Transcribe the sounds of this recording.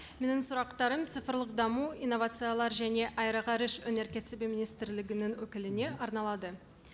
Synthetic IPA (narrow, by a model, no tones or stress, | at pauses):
me̞nɪŋsʊɾɑqt̪ɑɾəmt̪sɨfəɾlˠəqd̪ɑmuinːo̞vat̪sɨjalˠɑɾʒæne̞ʔɑjɾɑʁɑɾɪʃɵne̞ɾkʲet̪sebeminijst̪ɪɾlɪɡʲɪnɪŋwɵkʲɪlɪne̞ɑɾnɑlˠɑd̪ə